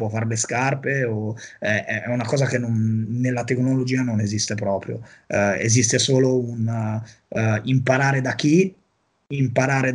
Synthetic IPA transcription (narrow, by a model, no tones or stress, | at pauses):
pwɔfːaɾleskarpeoɛɛunakɔːzakenːonːelːat̪eknolod͡ʒiːanonezist̪epɾɔːpɾjo̰ḛzist̪esoːloun | impaɾaːɾed̪ak̟ːi | impaɾaːɾed̪